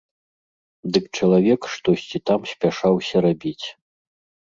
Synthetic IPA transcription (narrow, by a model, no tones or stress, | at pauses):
d̪ɨkt͡ʂɐlˠavʲɛkʂt̪ɔsʲt͡sʲit̪amsʲpʲaʂawsʲɐɾabʲit͡sʲ